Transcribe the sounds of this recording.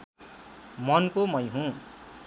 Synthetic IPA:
mʌnkomʌj̃ɦũ

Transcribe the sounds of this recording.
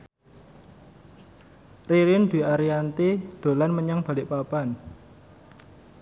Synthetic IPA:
riɾɪnd̪̥i̤aɾiant̪id̪̥o̤lanməɲaŋb̥a̤lɪʔpapan

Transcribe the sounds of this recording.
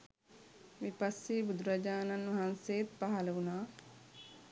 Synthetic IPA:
ʋipɐsːiːbud̪uɾɐd͡ʒaːnɐnʋɐɦansejet̪paɦɐlɐʋunaː

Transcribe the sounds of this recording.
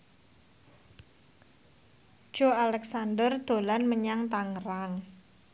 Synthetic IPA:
d̥ʒ̥o̤alɛksandərd̪̥o̤lanməɲaŋt̪aŋɾaŋ

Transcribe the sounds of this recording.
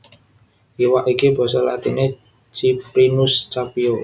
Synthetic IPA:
ʔiwaʔikib̥ɔ̤sɔla̰t̪ḭne | t͡ʃipɾinʊst͡ʃapio

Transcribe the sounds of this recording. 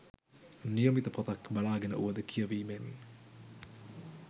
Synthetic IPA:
nijəmit̪əpʰot̪akbalaːɡenə̰ʔuʋəd̪əkʰijəʋiːmeni

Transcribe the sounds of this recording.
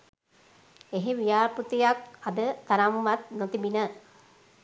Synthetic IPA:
eɦeʋijaːput̪ejakad̪ət̪aɾamʋat̪not̪ibinə

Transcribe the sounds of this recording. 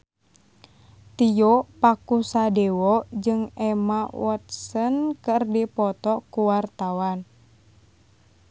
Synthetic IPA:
t̪ijɔpakusadɛwɔd͡ʒɨŋɛmawɔt̪̚sənkɨrdipɔt̪ɔkuwart̪awan

